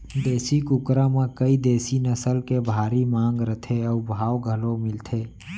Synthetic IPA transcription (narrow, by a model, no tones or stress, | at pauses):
d̪eːsikʊkɾãmẽkəid̪eːsinəsəlkebʱaːɾimãːŋɡɾət̪ʰeɔːbʱaːwɡʱəlomɪlt̪ʰeː